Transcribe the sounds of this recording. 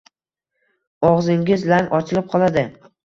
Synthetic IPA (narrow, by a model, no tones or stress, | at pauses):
ɒʁzɪŋɡʲɪzlaŋʔɒt͡ʃʰɪlɪp̚qʰɒlˠad̪ɪ